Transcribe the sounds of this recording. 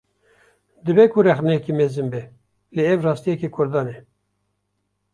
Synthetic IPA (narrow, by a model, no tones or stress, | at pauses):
d̪ɨbɛkʊrɛxnɛkimezɨnbɛ | leːɛvrɑːst̪ijɛkikʰʊɾd̪ɑːnɛ